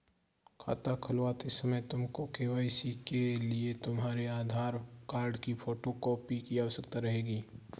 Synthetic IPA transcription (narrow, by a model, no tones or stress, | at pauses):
kʰa̰ːt̪akʰɐlaːt̪ɪsɐməjt̪ʊmkokeːʋaːɪsikeliet̪ʊmɦaːɾeaːd̪ʱaːɾkaːɾɖkipʰoːʈokɔːpikiaːsɐkt̪aɾɐɦeːɡiː